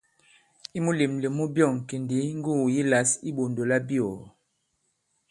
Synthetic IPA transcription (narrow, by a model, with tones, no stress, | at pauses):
i˦mu˦li˨mlə˨mu˦bjɔ˦˨ŋ˨ke˨ndi˨˦ŋ˦ɡu˦˨ji˦la˨˦si˦bo˨ndo˨la˦bi˦o˨